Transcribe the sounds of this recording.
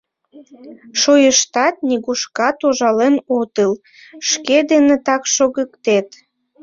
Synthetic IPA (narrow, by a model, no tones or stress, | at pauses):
ʃojəʃt̪ɑt̪̚niɣuʃkɑt̪oʒɑlenot̪əl | ʃked̪enet̪ɑkʃoɣəkt̪et̪